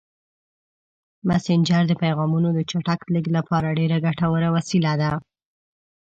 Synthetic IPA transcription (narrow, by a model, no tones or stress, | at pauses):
masɪnd͡ʒaɾd̪əpajɣɑmunod̪ət͡ʃaʈakliɡlapɑɾaɖeɾaɡaʈawəɾawasilad̪a